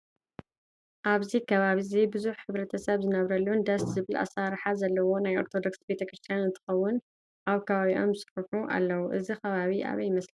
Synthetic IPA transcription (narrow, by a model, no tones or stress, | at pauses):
ʔaβzikʰɐβaβizibɨzuħħɨβɾɐt̪ʰɐsɐβzɨnɐβɾɐlːund̪ɐszɨβɨlʔa̰saɾħazɐlːɐwo̞najo̞̰ɾt̪ʰod̪o̞ksbe̞t̪ʰɐkɾɨst̪ʰijanɨnt̪ʰɨ̥xɐwːʊn | ʔaβkʰɐβaβiʔo̞mɨsɨ̥ħuħuʔa̰lːɐwuʔɨzixɐβaβiʔa̰βɐjmɐsl